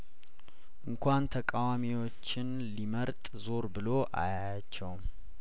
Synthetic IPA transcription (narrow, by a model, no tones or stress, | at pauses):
ʔɨŋkʰʷant̪ʰəkʼawamiwo̞t͡ʃːɪn | liməɾt̪ʼzo̞ɾbɨlo̞ʔa̰jaat͡ʃːɛwm